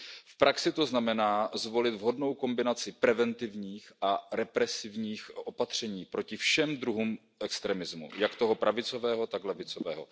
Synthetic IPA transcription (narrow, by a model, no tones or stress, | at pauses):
fpɾʔaksɪt̪o̞znamɛnaːzvo̞lɪt̪vɦo̞dno̞wko̞mbɪnat͡sɪpɾɛvɛnt̪ɪvɲiːxʔaɾɛpɾɛsɪvɲiːxʔo̞pat̪r̝̥ɛɲiːpɾo̞cɪfʃɛmd̪ɾuɦuːm | ʔɛkst̪ɾɛmɪzmṵjakt̪o̞ɦo̞pɾʔavɪt͡so̞vɛːɦo̞t̪aklɛvɪt͡sovɛ̰ːɦo̞̰